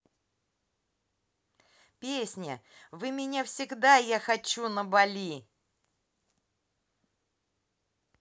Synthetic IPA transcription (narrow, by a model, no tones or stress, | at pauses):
pʲesʲnʲə̰vɨmʲɪnʲafsʲɪɡd̪ajaxɐt͡ɕːunəbɐlʲi